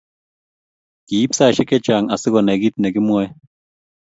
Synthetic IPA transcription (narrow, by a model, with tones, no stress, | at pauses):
ki˨i˦psa˦˨ʃɛ˦kɛ˦t͡ʃa˨ŋa˨sɪ˦kɔ˨nɛ˨ɡi˦t̪̚nɛ˨kɪ˦mwɔ˦ɛ˦